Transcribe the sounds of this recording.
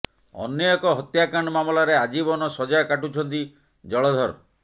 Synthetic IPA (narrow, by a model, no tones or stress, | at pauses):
ɔ̰njɔjɔkɔɦɔt̪jakaɳ̃ɔmamɔlaɾead͡ʒibɔnɔsɔd͡ʒakaʈut͡ʃʰɔnt̪̬i | d͡ʒɔɭɔd̪ʱɔɾɔ